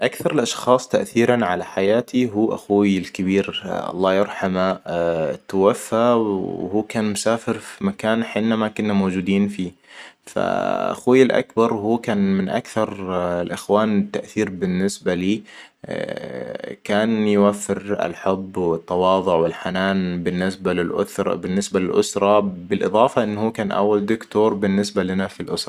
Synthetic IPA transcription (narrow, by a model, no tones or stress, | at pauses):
ʔakθɑɾˤɪlʔɑʃxɑːsˤt̪aʔθiːɾanʕalaħajaːt̪ʰiɦuːʔaxuːjɪlkɪbiːɾʔɑ̰lˤːɑːjɑɾˤħama | t̪ːawafːawhuːkaːnmʊsaːfɪɾfimakaːnħɪnːamakʊnːamowd͡ʒuːd̪iːnfiːfa̰ʔa̰xuːjɪlʔa̰kbɑɾˤhuːkaːnmɪnʔa̰kθɑɾˤɪlʔɪxwaːnɪt̪ːaʔθiːɾbɪnːɪsbaliː | kaːnjʊwafːɪɾɪ̰lħʊbːwɪt̪ˤːɑwɑːðˤʊʕwɪlħanaːnbɪnːɪsbalɪlʔʊ̰θɾbɪnːɪsbalɪlʔʊsɾˤɑbɪlʔɨðˤɑːfɑʔɪnːhuːkaːnʔa̰wːald̪ʊkt̪oːɾˤbɪnːɪsbalɪnafilʔʊsɾˤɑ